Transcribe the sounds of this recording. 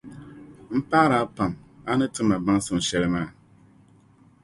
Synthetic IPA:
m̩˦pa˦ɾa˨˦pa˨ma˦nɨ˦tɨ˦ma˨ba˦ŋ˦sʊ˨m̩˨sɛ˦ɾma˦˨

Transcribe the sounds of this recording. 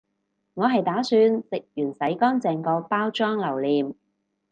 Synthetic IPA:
ŋɔː˨˧ɦɐ˨jt̪aː˨˥syː˧nsɪ˨k̚jyː˨˩nsɐ˨˥jkɔː˥ŋt͡sɛː˨˩ŋkɔː˧paː˥wt͡ʃɔː˥ŋlɐ˨˩wliː˨m

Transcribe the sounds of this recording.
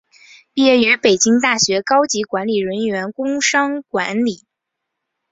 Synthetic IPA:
jɛ˥˩y˧˥pe˨˩ɪt͡ɕi˥ŋt̪a˥˩ɕɥɛ˧˥kɑ˥ʊt͡ɕi˧˥kwa˧˥nli˨˩ɻə˧˥nɥɛ˧˥nkʊ˥ŋʂɑ˥ŋkwa˧˥nli˨˩˦

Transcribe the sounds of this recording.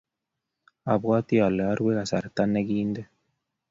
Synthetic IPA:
a˨βwa˦t̪i˦a˨le˨a˦ɾɡwe˦a˨sa˨ɾt̪a˦ne˦ɡiː˦nd̪e˦

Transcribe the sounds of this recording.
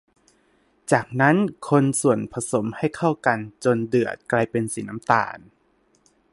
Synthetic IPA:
t͡ɕaː˨˩k̚na˦˥nkʰo˧nsu˨˩ənpʰa˧so˩˦mha˥˩jkʰa˥˩wka˧nt͡ɕo˧ndɯ˨˩ət̪̚kla˧jpe˧nsiː˨˩˦na˦˥mt̪a̰ː˧n

